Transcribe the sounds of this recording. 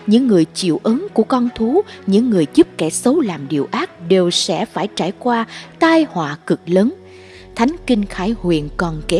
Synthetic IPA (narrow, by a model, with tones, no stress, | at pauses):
ɲɨ̰˧˥ŋːɨ˨˩əjt͡ɕḭ˧˨əwʔə˨˦nku˧˩əkɔ˧nt̪ʰu˨˦ɲɨ̰˧˥ŋːɨ˨˩əjzu˦˥p̚kɛ˧˩sə˨˦wlaː˨˩mɗi˨˩əwʔaː˦˥k̚ɗe˨˩wsɛ̰˧˥faː˧˩jt͡ɕaː˧˩jkwaː˧t̪aː˧jhwaː˨˩kɨ˨˩k̚ləː˨˦n | t̪ʰa˨˦jŋ̟kï˧ŋ̟xaː˧˩jhwḭ˧˨ənkɔ˨˩nke˨˦